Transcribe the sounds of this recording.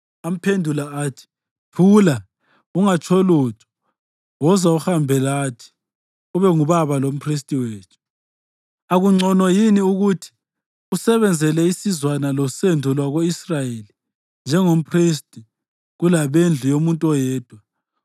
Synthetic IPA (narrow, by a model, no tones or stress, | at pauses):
am̩pʰendʱulaaːtʰi̥ | pʰuːla | uŋat͡ʃʰɔlutʰʼɔ̥ | wɔzauxambʱɛlaːtʰi̥ | uβɛŋuβaβalom̩pʰris̬tʼiweːt͡ʃʰu̥ | aɣuŋ͡ǀʱɔnɔjiniuɣutʰi̥ | usɛβɛnd͡zʱɛlɛisizwanalɔsɛndʱɔlwaɣoisrajeli | nd͡ʒʱɛŋom̩pʰristʼi | ɣulaβend͡ɮʱujomuntʼɔjɛːd̥ʱwa